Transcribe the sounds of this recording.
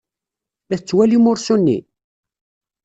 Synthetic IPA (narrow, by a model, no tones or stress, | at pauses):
æθt͡sːwælimʊɾsunːḭ